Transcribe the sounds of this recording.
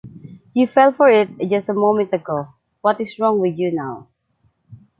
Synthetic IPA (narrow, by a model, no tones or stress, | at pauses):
jufɛlˠfɔɹɪt̚d͡ʒʌstəmõmɛ̃ntəɡo | wʌtɪsɹɔ̃ŋwɪdjunaw